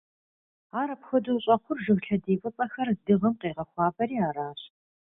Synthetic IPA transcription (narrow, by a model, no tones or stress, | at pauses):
aːɾɐpxɐduwɕʼɐqʷʰʊrʒɨwɬɐdeːpʷʼʊpʼɐxɐrdɨʁɐmqeːʁɐxʷɑːbɐɾiːaːɾaːɕ